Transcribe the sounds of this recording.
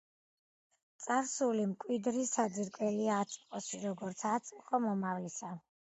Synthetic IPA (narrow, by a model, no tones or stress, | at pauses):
t̪sʼaɾsulimkʼwid̪ɾisad̪ziɾkʼwɛliaːt̪sʼqʼɔʃiɾɔɡɔɾt̪sʰat̪sʼqʼɔmɔmavlisa